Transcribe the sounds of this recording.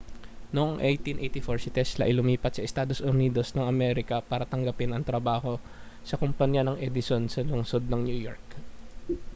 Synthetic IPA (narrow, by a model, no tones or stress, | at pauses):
noŋʔejt̪inʔejt̪ifoɹsɪt̪ɛslɐʔɐjlʊmiːpɐt̪sɐʔɪst̪aːd̪o̞sʔʊniːd̪o̞snɐŋɐmɛɾɪkɐpaːɾɐt̪ɐŋɡɐpɪnɐŋt̪ɾɐbaːho̞ | sɐkʊmpɐɲjanɐŋʔɛd̪ɪsonsɐlʊŋsod̪̚nɐŋnjuːjo̰ɹk̚